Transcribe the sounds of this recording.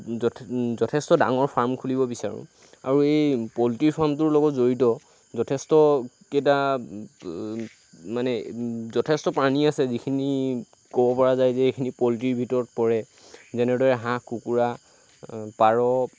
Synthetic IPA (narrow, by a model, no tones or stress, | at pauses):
zɔtʰɛstɔda̰ŋɔɹpʰaɹmkʰulibɔbisaɹʊ̰̃ | a̰ɹuejpɔltiɹpʰaɹmtʊɹlɔɡɔtzoɹitɔ | zɔtʰɛstɔ | keta | manɛzɔtʰɛstɔpɹaniasɛzikʰini | kɔbɔpɔɹazajzɛekʰinipɔltiɹbʱitɔɹɔt̚pɔɹɛ | zɛnɛdɔɹɛɦãkukuɹa | paɹɔ